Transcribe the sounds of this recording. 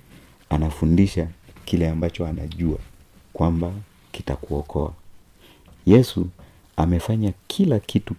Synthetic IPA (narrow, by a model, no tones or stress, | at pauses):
anafundiʃakilɛambat͡ʃɔana̰ʄua̰ | kwamba | kitakuɔkʰɔa̰ | jɛsu | amɛfaɲakʰilakʰitu